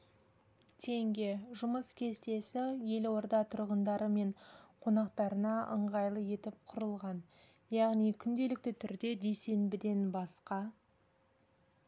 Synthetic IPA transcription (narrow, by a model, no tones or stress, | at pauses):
t̪ʰe̞ŋɡʲe̞ʒʊməskʲʰe̞st̪e̞sɪje̞lwo̞ɾd̪ɑt̪ʰʊɾʁənd̪ɑɾəme̞ɴqʰo̞nɑqt̪ɑɾənɑʔə̰ɴʁɑjlˠəje̞t̪ɪp̚qʰʊɾəlˠʁɑn | jɑʁnijkʲʰʏnd̪e̞lɪk̚t̪ɪt̪ʰʏɾd̪e̞d̪e̞se̞nbɪd̪e̞nbɑsqɑ